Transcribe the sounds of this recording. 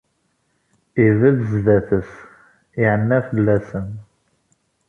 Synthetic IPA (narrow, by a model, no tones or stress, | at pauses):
ivæðzðæθəs | iʕənːæfəlːæsən